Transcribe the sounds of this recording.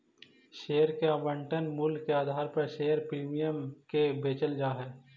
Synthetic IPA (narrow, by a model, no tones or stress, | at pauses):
ʃeːəɾkeabə̃ɳʈənmʊlkeaːd̪ʱaːɾpɐɾʃeːəɾpɾiːmijəmkebeːt͡ʃəld͡ʒaːɦɛː